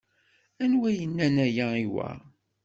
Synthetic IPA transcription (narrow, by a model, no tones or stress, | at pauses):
ænwæjənːænæjæiwæ̰